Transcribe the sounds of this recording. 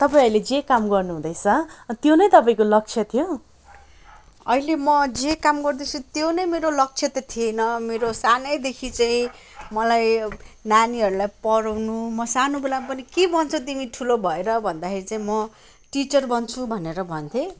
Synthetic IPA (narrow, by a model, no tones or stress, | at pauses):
t̪ʌpaĩʌiled͡zekamɡʌrnuɦũd̪ʌjt͡sʰʌt̪jonʌjt̪ʌpaĩkolʌk̚t͡sʰjʌt̪ʰjo | ʌilemʌd͡zekamɡʌrd̪ʌt͡sʰut̪jonʌjmeɾolʌk̚t͡sʰjʌt̪ʌt̪ʰienʌmeɾosanʌjd̪ekʰit͡saĩ | mʌlajnaniɦʌɾulajpʌɾawnumʌsanobelampʌnikebʱʌnt͡sʰʌt̪̬imiʈʰulobʱʌeɾʌbʱʌnd̪akʰeɾit͡saĩmʌ | ʈit͡sʌrbʌnt͡sʰubʱʌneɾʌbʱʌnt̪ʰe